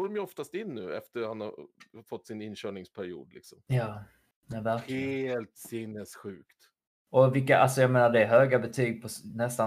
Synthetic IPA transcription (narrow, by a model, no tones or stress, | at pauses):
oːdɔmjɵɔft̪ast̪ɪnːʉ̟ːɛ̰ft̪əɾhanhafɔt̪ːsɪnɪnːɕœːɳɪŋspʰæɾɪṵːd̪lɪ̰ksɔmjɑː | ɛvæɾkːlt̪sɪnːɛsɧʉ̟ːkt̪ | ʔɔvɪkːaʔa̰lsɔjɑɡmeːnaɖɛːɾɦøːɡabɛt̪ʰyːɡ̚pʰɔsnɛst̪a